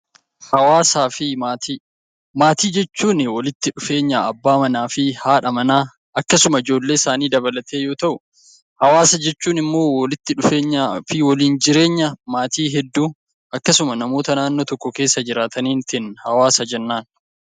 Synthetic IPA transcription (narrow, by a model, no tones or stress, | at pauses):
hɐwaːsaːfɪ | maːt̪iːd͡ʒɛt͡ʃːuːnɪwɔlɪt̪ːɪᶑʊfe̞ːɲːaːʔɐbːaːmɐnaːfɪhaːᶑɐmɐnaː | ʔɐkːɐsʊmɐɪd͡ʒo̞ːlːe̞ːɪsaːniːd̪ɐbɐlɐt̪ʰeːjoːt̪ɐʔʊ | hɐwaːsɐd͡ʒɛt͡ʃːuːnɪmːo̞ːwɔlɪt̪ːɪᶑʊfeːɲːafɪwɔliːnd͡ʒɪɾe̞ːɲːɐmaːt̪iːɦɛd̪ːuː | ʔɐkːɐsʊmɐnɐmo̞ːt̪ɐnaːnːoːt̪ɔkːɔke̞ːsːɐd͡ʒɪɾaːt̪ɐniːnt̪ɪnhɐwaːsɐd͡ʒɛnːaːn